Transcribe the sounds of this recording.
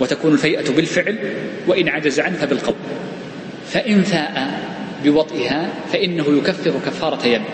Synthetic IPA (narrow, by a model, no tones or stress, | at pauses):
wat̪akuːnʊlfajʔabɪlfɪʕlwaʔɪnʕad͡ʒazaʕanfabɪlqɑwl | faʔɪnθaːʔabɪwɑt̪ˤʔɪhafaʔɪnːaɦʊjʊkafːɪɾʊkafːɑːɾˤɑt̪jamː